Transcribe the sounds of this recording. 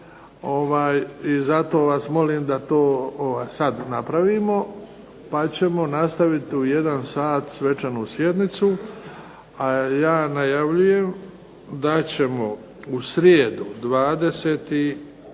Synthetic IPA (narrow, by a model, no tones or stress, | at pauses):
o̞ʋaːjizat̪o̞ːʋasmo̞liːmd̪at̪oːoʋaːjsad̪napɾaʋiːmo̞ | pat͡ɕe̞mo̞nast̪aʋit̪uje̞d̪ansaːt̪sʋe̞t͡ʃanuːsje̞d̪nit̪su | ajaːnajaʋʎuje̞m | d̪at͡ɕe̞mo̞ | usɾjeːd̪ud̪ʋaːd̪e̞seːt̪i